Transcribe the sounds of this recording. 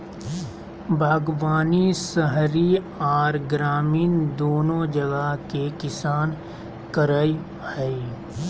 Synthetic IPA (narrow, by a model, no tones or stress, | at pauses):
bʱaːɡʋaːnisəɦɾi | ɔːɾɡɾaːmiːnd̪oːnõd͡ʒɐɡakekɪsaːn | kəɾaːi | ɛi